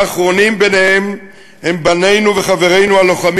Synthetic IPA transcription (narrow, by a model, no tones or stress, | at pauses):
aχʁo̞nimbe̞nehem | he̞mbane̞jnuve̞χave̞ʁe̞jnualo̞χam